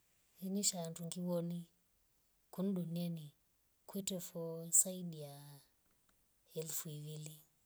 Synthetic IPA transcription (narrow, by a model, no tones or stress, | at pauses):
iniʃaːntuŋɡiwɔni | kun̩ɗuniani | kwɛtɛfɔsaiɗija | ɛlufuiwili